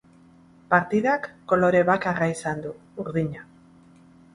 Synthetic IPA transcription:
paɾt̪iðakːo̞lo̞ɾe̞βakaraisand̪u | uɾðiɲa

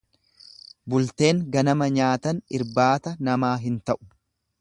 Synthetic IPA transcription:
bʊlt̪e̞ːŋɡɐnɐmɐɲaːt̪ɐnɪɾbaːt̪ɐnɐmaːɦɪnt̪ɐʔʊ̥

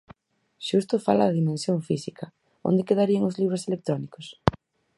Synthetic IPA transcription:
ʃust̪ʊfa̰laðaðimẽnsjoŋfisikʰɐ | o̰nd̪ekeðaɾiaŋʊzliβɾʊselek̚t̪ɾɔnikos

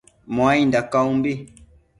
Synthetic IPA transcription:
mwaindakaumbi

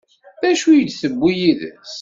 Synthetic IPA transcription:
ðæʃujəd̪θəbːijiðə̰s

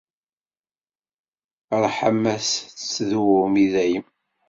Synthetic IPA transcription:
əɾˤħəmːæst͡sːðuʊmiðæjəm

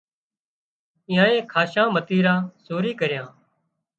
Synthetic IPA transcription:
ɪ̃ːãːẽːkʰaːʃãːmət̪iːɾãːsoːɾiːkəɾɪjãː

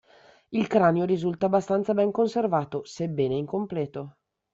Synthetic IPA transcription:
ilkɾaːneoɾizult̪abːast̪ant̪sabɛŋkonservaːt̪osebːɛːneiŋkomplɛːt̪o

